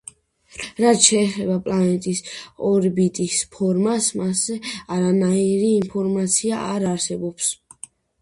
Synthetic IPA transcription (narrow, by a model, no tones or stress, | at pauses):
ɾat̪ʃɛːχɛbapʼlˠanɛt̪ʼisɔɾbit̪ʼispʰɔɾmasmasɛaɾanaiɾiːmpʰɔɾmat̪sʰiaʔaɾaɾsɛbɔps